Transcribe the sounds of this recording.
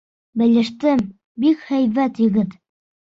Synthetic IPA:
bɘ̆lɘ̆ʃt̪ɘm | bikhæjvæt̪jɘ̆ɡɘt̪

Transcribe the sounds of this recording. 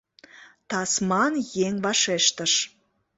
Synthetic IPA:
t̪ɑsmɑnjeŋβɑʃeʃt̪əʃ

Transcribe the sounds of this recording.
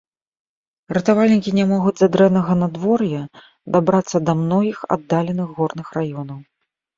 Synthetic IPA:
rɐt̪avalʲnʲikʲinʲamɔɣud͡zʲzad̪ɾɛwnɐɣɐnad̪vɔrjɐ | d̪abɾat̪sːɐd̪ɐmnɔɣʲixa̰d̪ːalʲɛnɨxɣɔrnɨxrajɔnɐw

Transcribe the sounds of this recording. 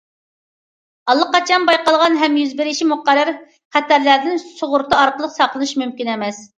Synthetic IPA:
ɑlˠːəqɑt͡ʃʰɑnbɑjqɑlˠʁɑnɦɛmjyzbɪɾɪʃʰimʊqæɾæɾ | χæt̪æɾlæɾd̪ɪnsoʁʊɾt̪ɑɑɾqəlˠəqsɑqlˠɨnɨʃmymkʲinɛmɛs

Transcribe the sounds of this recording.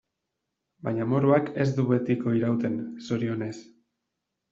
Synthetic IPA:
baɲamo̞ɾuake̞zd̪uβe̞t̪iko̞iɾawt̪e̞nsoɾio̞ne̞s

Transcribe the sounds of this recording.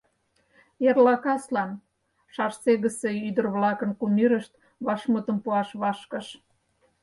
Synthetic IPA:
jerlɑkɑslɑn | ʃɑrseɣəseyd̪ərβlɑkənkumyɾəʃt̪̚ | βɑʃmət̪əmpuɑʃβɑʃkə̆ʃ

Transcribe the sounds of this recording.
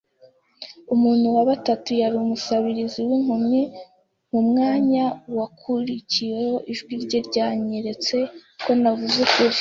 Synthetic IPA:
umuːn̥huwaβatatujaɾiumusaβiɾiziwiŋhumɲi | ŋ̥umŋaːɲawakʰuɾiciwe̞ho̞ʔiʒɡwiɾɟeɾɟaːɲeɾe̞t͡se̞ko̞navuzekuɾi

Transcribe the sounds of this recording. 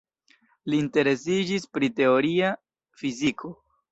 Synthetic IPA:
liːnte̞ɾe̞s̬id͡ʒispɾite̞o̞ɾia | fizikʰo̞

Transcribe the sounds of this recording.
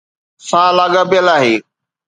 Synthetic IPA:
sãːlaːɠabɪjəlaːɦeː

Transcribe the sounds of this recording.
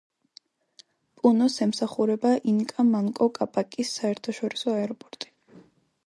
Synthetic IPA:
pʼunɔsɛmsaχuɾɛbaʔiŋkʼamaŋkʼɔkʼapʼakʼisːaɛɾt̪ʰaʃɔɾisɔaɛɾɔpʼɔɾt̪ʼi̥

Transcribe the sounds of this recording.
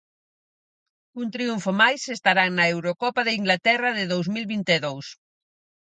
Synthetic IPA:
unt̪ɾiuɱfomajsest̪aɾaŋnɐewɾokɔpaðeiŋɡlat̪ɛrɐðeðowzmilβint̪eðows

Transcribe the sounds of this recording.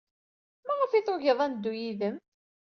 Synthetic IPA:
mæʁəfiθʊʝəðˤænd̪ːujiðəm

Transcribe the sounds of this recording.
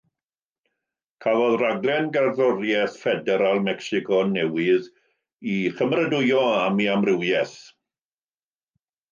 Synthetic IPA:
kʰavɔðraɡlˠɛnɡarðɔrjɛθfɛdɛɾalˠmɛksɪkʰɔnɛwɪð | iχəmrədʊjɔamiamrɪwjɛθ

